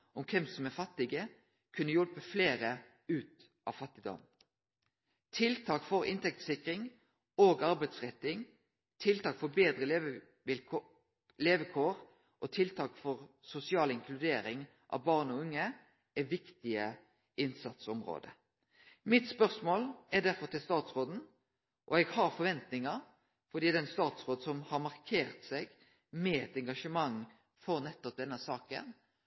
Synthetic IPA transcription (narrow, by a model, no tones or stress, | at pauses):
ʔɔmkʰɛmsɔmɛfɑt̪ːɪɡə | kʰʉnːəjɔlpəfleːʁə | ʉːt̪ | ʔɑ̰ʋfɑt̪ːɪd̪ɔ̰m | t̪ʰɪlt̪ʰɑːkfɔʁɪ̰nt̪ɛk̚t̪sɪkʁɪŋ | oːɡɑʁbɛɪd̪sʁɛt̪ːɪŋ | t̪ʰɪlt̪ɑːkfɔbeːd̪ʁəleʋ | ʋɪ | leːʋəkʰoːʁ | ʔɔt̪ʰɪlt̪ʰɑːkfɔʁsʊsɪɑːlɪŋkʰlʉd̪eːɾɪŋ | ʔɑ̰ʋbɑːʁnɔʉŋːə | ʔɛʋɪkt̪ɪə | ʔɪnsɑt̪sɔmʁo̰ːd̪ə̰ | mɪt̪spœʁsmoːlɛʁd̪æʁfɔʁt̪ɪlst̪ɑːt̪sʁoːd̪n̩ | ʔɔɛɡhɑɾfɔʋɛnt̪nɪŋɑ | fɔʁd̪iːd̪ɛnst̪ɑːt̪sʁoːd̪sɔmhɑʁmɑʁkʰeːʁt̪sɛɡ | mɛɛt̪ɛŋɡɑʂəmɑŋː | fɔʁnɛt̪ːɔp̚d̪ɛnːəsɑːkə̰n